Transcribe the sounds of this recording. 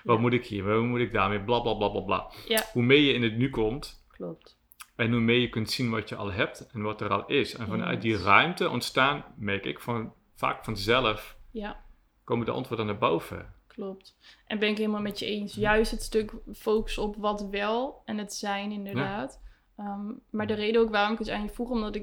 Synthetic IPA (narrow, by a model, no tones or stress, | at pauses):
ʋɔtmutɪkhiəɔmutɪɡ̚daːrmeblablablablabla̰ːhumeːjəɪnətnykɔmtklop̚t | ɛnɦumeːjəkɵntsinʋɔtjəʔɑ̰lˠɦɛp̚tɛnʋɔtərɔ̰lˠɪsɛnfɔnœ̰ɥt̚dirœɥmtəʔɔ̰ntstaːnmɛrkɪ̰kfɔn | fa̰ːkfɔnəzɛlˠəfja | koːmədəʔɑ̰ntʋoːɹdənabowv̥ə̰klɔp̚tʔɛnbɛnɪkɦɪːlˠmalˠmɛtjəejnsjœɥstətstɵkfowkə̥sɔpʋɑtʋɛlˠɛnətsɛjnɪndəɹdaːt | əːaːɹdərejdəowkʋaːrɔmɪkɪsa̰ːnjəfuχəɔmdɔtɪ